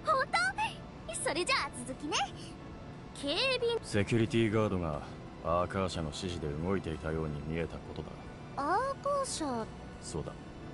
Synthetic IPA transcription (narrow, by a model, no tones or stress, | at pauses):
hot̪oː | so̞ɾe̞d͡ʑat͡sɨzɨkʲine | kʰe̞ːbʲise̞kʲɯ̟ɾʲit̪ʲiːɡaːd̪o̞ɡa̰ | aːkaːɕano̞ɕiʑid̪e̞ɯ̟ɡo̞it̪e̞it̪ajo̞ːɲ̟imʲie̞t̪ako̞t̪o̞d̪a̰ | akaːɕa | so̞ːd̪a̰